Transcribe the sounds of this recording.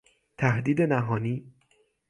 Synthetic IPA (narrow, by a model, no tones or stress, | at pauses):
t̪ʰæhd̪iːd̪e̞næɦɒːniː